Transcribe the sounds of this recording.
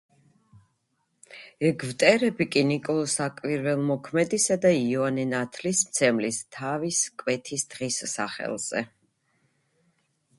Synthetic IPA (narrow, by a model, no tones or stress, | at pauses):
ɛɡvt̪ʼɛɾɛbikʼinikʼɔlˠɔsakʼwiɾvɛlˠmɔkʰmɛd̪isad̪aiɔanɛnat̪ʰlismt̪sʰɛmlist̪ʰaviskʼwɛt̪ʰisd̪̥ʁisːa̰χɛ̰lˠz̥ɛ̰